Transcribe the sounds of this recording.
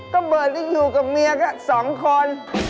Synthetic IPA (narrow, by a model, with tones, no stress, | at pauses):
kɔː˧˥˩ɓɤː˨˩t̚ni˧˩juː˨˩ka˨˩p̚mi˧əka˦˥˩sɔː˨˩˦ŋkʰo˧n